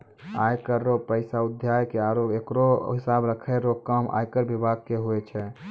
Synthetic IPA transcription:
ajkəɾːopəɪsaud̪ʱjajkeaɾoɡekɾoɦisabɾəkʰɛɾokəma̰jkəɾbibʱaɡ̚keɦoɛt͡ʃʰɛ

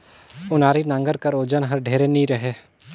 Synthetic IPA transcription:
ʊnaːɾinãŋɡəɾkɐɾoːd͡ʒənɦɐɾɖʱeːɾeniɾɐɦeː

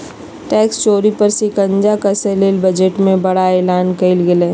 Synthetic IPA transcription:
ʈɛːkst͡ʃoːɾipɐɾsikə̃ɲd͡ʒakaselelbɐd͡ʒeʈmẽbɐɽaeːlaːnkəɪlɡɪleː

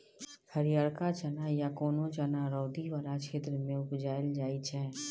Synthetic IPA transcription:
həɾijaːɽkat͡ʃənajakoːnõt͡ʃanaɾɔːd̪iʋaːlakʃʰeːt̪ɾəmẽʊpd͡ʒaːɪld͡ʒaːit͡ʃʰɛː

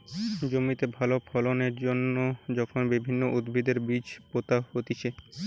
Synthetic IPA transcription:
d͡ʑomit̪ebʱalopʰɔloneɾd͡ʑonːod͡ʑɔkʰonbibʱinːoʔud̪bʱid̪eɾbid͡ʑpot̪ahot̪it͡ɕʰe

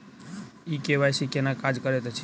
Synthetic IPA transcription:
ikebajsikenakad͡ʒkəɾet̪t͡ʃʰi

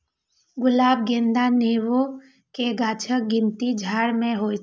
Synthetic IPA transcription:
ɡʊlaːb̚ɡẽnd̪aneːwo | keɡaːt͡ʃʰək̚ɡɪ̃nt̪id͡ʒʱaːɽmẽɦoː

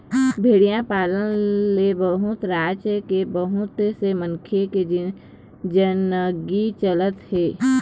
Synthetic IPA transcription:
bʱeːɽijãpaːlənlebəɦʊt̪ɾaːt͡ʃkebəɦʊt̪seməŋkʰeke | d͡ʒənɡit͡ʃələt̪heː

